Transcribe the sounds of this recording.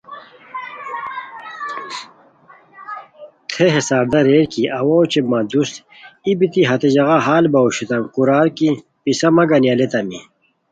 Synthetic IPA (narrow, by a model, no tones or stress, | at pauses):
t̪ʰeɦesaːɾd̪ɐɾeːɾkiɐwɐot͡ɕemɐd̪ust̪ | ibit̪iɦɐt̪ed͡ʑɐɣaɦaːlbɐoɕut̪ɐmkuɾaːɾki | pisɐmɐɡɐnjɐlet̪ɐmḭ